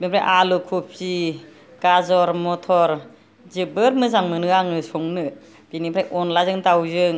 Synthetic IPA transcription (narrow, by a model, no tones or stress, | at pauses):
binipʰɾajʔalukʰup̚si | ɡazɔɾmɔtʰɔɾ | zɯbɯɾmɯzaŋmɯnɯaŋɯsɔŋnɯ | b̥inipʰɾajʔɔnlazɯŋtawzɯŋ